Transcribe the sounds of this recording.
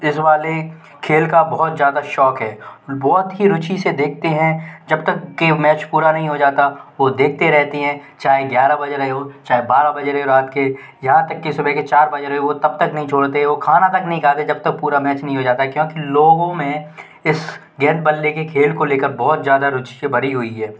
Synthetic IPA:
ɪsʋaːle | kʰeːlkabɔːt̪zjaːd̪aʃɔːkɦɛːbɔːt̪ɦiɾʊt͡ʃised̪eːk̚ʰt̪eɦɛ̃d͡ʒɐbt̪ɐkːemɛːt͡ʃpuːɾanɐɦĩɦod͡ʒaːt̪aʋod̪eːk̚ʰt̪eɾɛɦt̪eɦɛ̃ːt͡ʃaːɦeɡjaːɾabɐd͡ʒeɾɐɦeɦot͡ʃaːɦebaːɾabɐd͡ʒeɾɐɦeoɾaːt̪̚ke | jɐɦãt̪ɐkːesʊbʱɛket͡ʃaːɾbɐd͡ʒeɾɐɦeʋot̪ɐb̚t̪ɐknɐɦĩt͡ʃʰoːɽt̪eɦɛʋokʰaːnat̪ɐknɐɦĩkʰaːt̪ed͡ʒɐb̚t̪ɐk̚puːɾamɛːt͡ʃnɐɦĩɦod͡ʒaːt̪aɛkjõːkiloːɡõmẽ | ɪs | ɡɛːt̪̚bɐlːekekʰeːlkoleːkəɾbɔːt̪zjaːd̪aɾʊt͡ʃiebɐɾiɦʊiɦɛː

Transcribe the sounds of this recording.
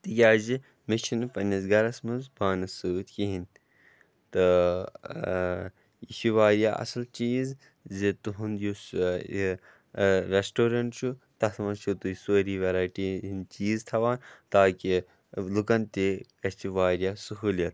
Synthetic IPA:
t̪ikʲaːzi | mit͡ʃʰinpɐnɐzɡɐɾɐsmɐnzbaːnɐsuːt̪kiɦin | t̪ɨ | iʃiʋaːɾjaːʔɐ̰sɐlt͡ʃiːz | zit̪uɦund̪jus | ɾesʈoːɾɐɳʈt͡ʃʰut̪ɐsmɐt͡ʃʰut̪usuːɾiːʋɐɾaːjʈiːint͡ʃiːzt̪ʰɐʋaːnt̪aːki | lukɐnt̪ikɐt͡ʃiʋaːɾijaːsuɦuːljɐt̪

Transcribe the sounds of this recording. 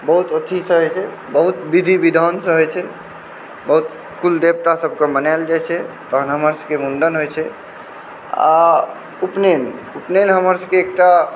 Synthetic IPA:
bəɦut̪ət̪ʰisəɦɔt͡ʃʰɛ | bəɦut̪bid̪ʱibid̪ʱənsə̃ɦɔjt͡ʃʰɛ | bəɦut̪̚ | kuld̪eb̚t̪asəb̚ʱkẽbənaeld͡ʒajt͡ʃʰɛt̪ɔɦənɦəməɾskemunɖənɦojt͡ʃʰɛ | a̰ | upnenupnenɦəməɾskeːk̚ʈa

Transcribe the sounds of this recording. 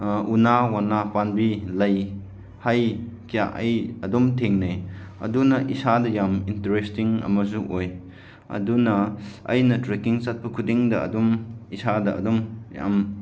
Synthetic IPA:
ʔunawanapanbilɐj | hajkijaʔɐjɐdɔmtʰeŋneɐ̰dunɐʔisadɐjamintɐɾestiŋɐ̰mɐzuʔoj | ɐ̰dunɐɐ̰jnɐtɾekiŋt͡ʃat̚pɐkʰudiŋdɐɐ̰dɔmisadɐɐ̰dɔmja̰m

